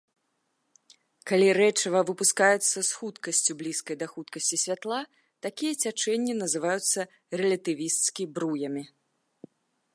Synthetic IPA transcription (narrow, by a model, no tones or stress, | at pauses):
kalʲiɾɛt͡ʂɐvɐvɨpuskajut̪sːɐsxut̪kɐsʲt͡sʲublʲiskɐjd̪ɐxut̪kɐsʲt͡sʲisʲvʲat̪lˠa | t̪akʲijɐt͡sʲat͡ʂɛnʲːinɐzɨvajut̪sːɐ | rɛlʲɐt̪ɨvʲist̪skʲibɾujɐmʲi